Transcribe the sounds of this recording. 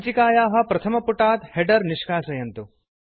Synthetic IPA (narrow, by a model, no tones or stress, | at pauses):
t͡ʃikaːjaːɦɐ̆pɾɐt̪ʰɐmɐpuʈaːt̪heɖɐɾniʂkaːsɐjɐnt̪u